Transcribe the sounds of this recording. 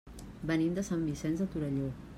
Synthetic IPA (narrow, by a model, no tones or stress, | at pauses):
bənimd̪əsambisɛnzət̪uɾəʎo